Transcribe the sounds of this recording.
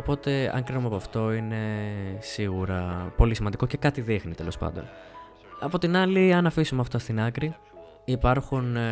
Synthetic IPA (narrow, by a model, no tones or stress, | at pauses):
opo̞t̪e̞ɐ̰ŋkɾinumepoɐft̪o̞ine̞siɣuɾɐpo̞lisimɐnd̪iko̞ce̞kɐt̪iðixnit̪elo̞spɐ̰nd̪o̞̰n | ɐpo̞t̪inɐliɐnɐfisumeɐft̪ost̪inɐkɾi | ipɐɾxun